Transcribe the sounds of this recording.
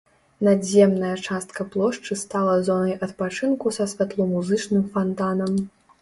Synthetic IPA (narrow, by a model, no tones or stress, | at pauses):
nad̪zʲɛmnɐjɐt͡ʂast̪̚kɐplˠɔʂt͡ʂɨst̪alˠɐzɔnɐjʔɐt̪̚pat͡ʂɨnkusɐsʲvʲat̪lˠɔmuzɨt͡ʂnɨmfant̪anɐm